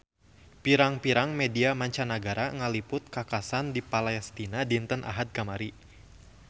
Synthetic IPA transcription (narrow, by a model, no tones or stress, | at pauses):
piɾaŋpiɾaŋmɛdiamaɲt͡ʃanaɡaɾaŋəlipʊt̪̚kakasandipalɛst̪inadint̪ənʔa̰ɦad̪̚kamaɾi